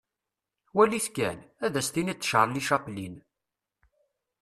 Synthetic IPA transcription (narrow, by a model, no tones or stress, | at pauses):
wæliθkæ̰næðæst̪init͡sːə̥ʃʁɾˤlːiʃɑqlin